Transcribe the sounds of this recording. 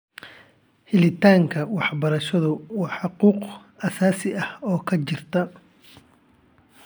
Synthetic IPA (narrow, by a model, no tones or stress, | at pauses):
hɪlɪt̪ʰaːŋkʰɐwɑħbɐɾɐʃɐðʊwɑːħɑquːq | ɐsaːsɪɐhɔːkʰɐt͡ʃɪr̥t̪ʰɐ